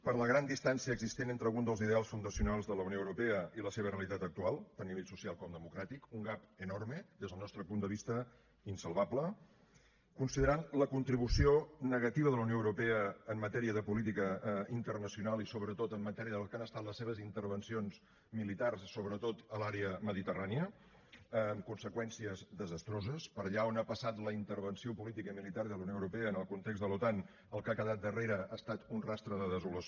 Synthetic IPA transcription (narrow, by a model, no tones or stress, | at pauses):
pəɾləɣɾand̪ist̪ansiəːɡzist̪enent̪ɾəlɣund̪əlˠziðealˠsfund̪əsiunalˠzðələunioəwɾupeəiləseβ̞əreəlit̪at̪ək̚t̪ualˠt̪anniβeʎsusialˠkɔmd̪əmukɾat̪ikuŋɡapənorməd̪ezðəlˠnɔst̪ɾəpund̪əβ̞ist̪ə | insəlˠβablə | kunsiðəɾanləkunt̪ɾiβ̞usionəɣət̪iβəðələwnioəwɾupeəːmːət̪ɛɾiəðəpulit̪ikəint̪ərnəsiunalisoβɾət̪ot̪əmːət̪ɛɾiəðəkanəst̪at̪ləseβ̞əzint̪əɾβənsions | milit̪arssoβɾət̪ot̪əlaɾeəməðit̪əraniə | mkunsəkwɛnsiəzd̪əzəst̪ɾozəspəɾʎaonapəsat̪ləint̪əɾβənsiopulit̪ikəimilit̪aɾðələunijoəwɾupeəːnəlˠkunt̪eɡzd̪əlut̪an | əlˠkakəðat̪̚d̪əreɾəast̪at̪unrast̪ɾəðəðəzuləs